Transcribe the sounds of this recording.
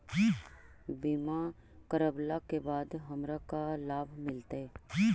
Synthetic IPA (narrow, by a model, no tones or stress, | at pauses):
biːma | kəɾəblakebaːd̪ɦɐmɾakalaːbʱmɪlt̪aɦɛː